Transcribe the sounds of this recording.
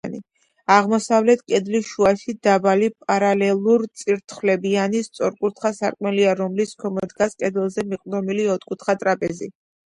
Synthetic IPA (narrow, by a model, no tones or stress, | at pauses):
nḭ | aʁmɔsavlɛt̪ʰkʼɛd̪liʃuaʃid̪abalipʼaɾalɛlˠuɾt̪sʼiɾt̪ʰχwlɛbianist̪sʼɔɾkʼuɾt̪ʰχasaɾkʼmɛliaɾɔmliskʰɔmɔd̪ɡaskʼɛd̪ɛlˠzɛmiqʼd̪ɔmiliɔt̪ʰkʼut̪ʰχat̪ʼɾapʼɛzi